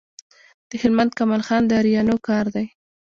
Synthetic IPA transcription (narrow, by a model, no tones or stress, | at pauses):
d̪̥əhɪlmand̪̚kamɑlxɑnd̪əɾijɑnokɑɾd̪aj